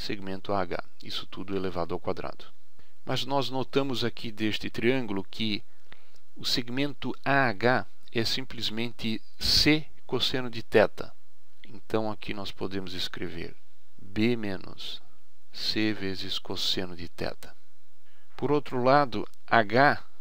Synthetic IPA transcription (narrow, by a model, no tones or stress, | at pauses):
seɡmẽnt̪ʊaɡa̰ | ḭsʊ̥t̪ud̪ʊɛlevad̪ʊawkwad̪ɾa̰d̪̥ʊ | mʔɐznɔznot̪ɐ̃mʊzakʰid̪est̪ɪt̪ɾiɐ̃ŋɡʊlʊkʰɪ | ʊseɡmẽnt̪ʊ | aɡa | ɛsĩmplɪzmẽnt̪ɪ | se | kosẽnʊd̪ɪt̪ɛt̪ɐ̰ | ẽnt̪ɐ̃w̃akʰinɔspod̪ẽmʊzeskɾḛvḛɾ | bemẽnʊ̰sː | evezɪskosẽnʊd̪ɪt̪ɛ̰t̪ʰɐ̥ | poɾowt̪ɾʊlad̪ʊ | aɡa